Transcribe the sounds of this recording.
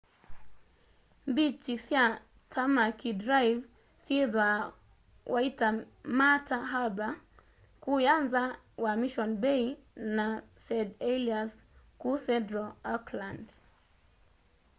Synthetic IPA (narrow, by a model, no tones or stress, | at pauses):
mbit͡ʃisja | tʰamakidɾajv | siðwa | waita | mataɦaba | kuanza | wamiʃɔnbɛinasɛdɛliaskusɛdɾɔakland